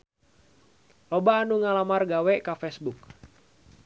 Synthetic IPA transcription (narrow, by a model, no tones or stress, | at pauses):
lobaːnuŋalamarɡawɛkafɛsbuk̚